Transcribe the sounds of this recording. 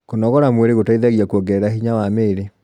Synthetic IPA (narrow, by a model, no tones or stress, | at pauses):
konɔɣɔɾamweɾeɣotaiðaɣiakwɔɡɛɾahiɲawameːɾe